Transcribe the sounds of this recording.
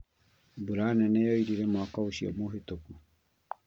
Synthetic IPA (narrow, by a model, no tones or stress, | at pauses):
buɾaneneoiɾiɾemoakausio̰moɦet̪oku